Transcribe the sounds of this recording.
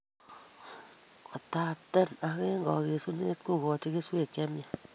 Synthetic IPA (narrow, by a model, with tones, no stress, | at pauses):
kɔ˨ta˨p̚tɛ˦˨na˨ke˦ŋɡɔ˨ke˨su˦ne˦t̚ko˦˨kɔ˨t͡ʃe˦ke˦sweː˦˨kɛ˦mja˨